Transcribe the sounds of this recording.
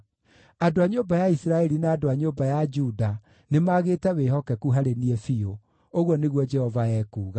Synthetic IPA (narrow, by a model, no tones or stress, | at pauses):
adoaɲoːmbajaisiɾaɛɾinaːdoaɲoːbajad͡ʒuda | nemaɣeːtɛweɦɔkɛkuɦaɾeniɛfio | oɣwɔneɣwɔd͡ʒɛhɔvaɛkuːɣa